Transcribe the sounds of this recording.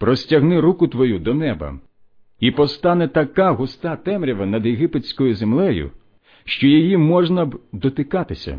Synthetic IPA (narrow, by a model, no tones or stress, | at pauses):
pɾɔsʲtʲɐɦnɪɾukʊt̪ʋɔjud̪ɔnɛbɐ̰ | ipɔst̪ɑnɛt̪ɐkaɦʊst̪ɑt̪ɛmɾʲiʋɐnɐd̪jeɦɪpet͡sʲkɔjʊzemlˠɛjʊ̰ | ʃt͡ʃɔjijimɔʒnɐbd̪ɔt̪ɪkɑt̪ɪsʲɐ̰